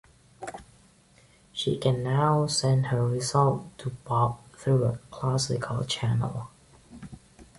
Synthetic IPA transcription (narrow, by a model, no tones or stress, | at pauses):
ʃḭkʰɨ̃nːaʊsɛ̃ndhə˞ɹɪzʌlˠtʰːəbɔb̚θɹuəkʰl̥æsɪ̰kʰəlˠt͡ʃʰænə̰lˠ